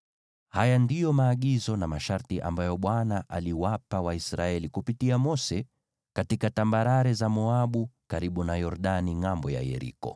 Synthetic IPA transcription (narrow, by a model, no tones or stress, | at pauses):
hajandijɔmaːɠizɔnamaʃaɾtiʔa̰mbajɔɓwanaʔaliwapawaisɾaɛlikupitiamɔsɛ | katikatambaɾaɾɛzamɔaɓukaɾiɓunajɔɾɗaniŋambɔja̰jɛ̰ɾḭkɔ̰